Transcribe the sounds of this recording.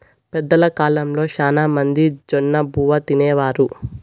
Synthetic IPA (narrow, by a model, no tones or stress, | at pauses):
pɛd̪ːɐlɐkaːlɐmlo̞ːʃaːnaːmɐnd̪id͡ʒɔnːɐbʱuːʋɐt̪inɛːʋaːɾu